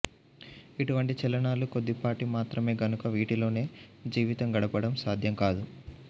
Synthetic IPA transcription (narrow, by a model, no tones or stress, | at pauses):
iʈuʋɐɳʈit͡ʃɛlɐɳaːluko̞d̪ːipaːʈimaːt̪ɾɐme̞ːɡɐnukɐʋiːʈilo̞ːne̞ːd͡ʒiːʋit̪ɐŋɡɐɽɐpɐɽɐmsaːd̪ʱjɐmkaːd̪u